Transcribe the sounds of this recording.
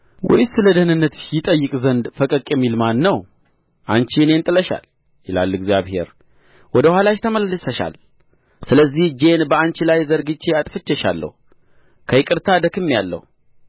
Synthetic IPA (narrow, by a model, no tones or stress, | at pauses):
wɔ̰jsɨləd̪ənɨnːət̪jɪt̪ʼəjːɨkʼzənd̪fəkʼəkʼjɛmːilmanːəw | ʔant͡ʃiɨne̞nt̪ʼɨləʃa̰l | jɪla̰lːɨɡzijaβhe̞̰ɾ | wɔd̪əhwʷalaʃt̪ʰəməllːɨsəʃa̰l | sɨləzːihd͡ʒe̞nbəant͡ʃilajzəɾɡɨt͡ʃːeat̪ʼfɨt͡ʃːɛʃa̰lːə̰hu | kʰəɪkʼɨɾt̪ʰad̪əkʰɨmːijalːə̰hu